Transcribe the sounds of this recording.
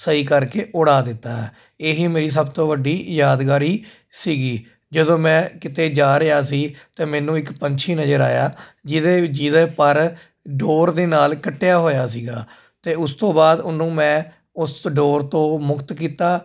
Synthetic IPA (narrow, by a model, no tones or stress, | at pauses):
səiːkəɾkeːʔʊɽaːd̪ɪt̪ːaːɦɛː | eːɦiːmeːɾiːs̬əbt̪õːʋəɖːiːjaːd̪ɡaːɾiː | siːɡiː | d͡ʒəd̪õːmɛ̃ːkɪt̪eːd͡ʒaːɾəjaːs̬iːt̪eːmɛːnũːɪkpəɲt͡ʃʰiːnəzəɾa̰ːjaːd͡ʒɪd̪eːd͡ʒiːd̪eːpəɾ | ɖoːɾd̪eːnaːlkəʈːejaːɦoːjaːsiːɡaː | t̪eːʊst̪õːbaːd̪ʊnũːmɛ̃ː | ʊsɖoːɾt̪õːmʊkt̪kiːt̪aː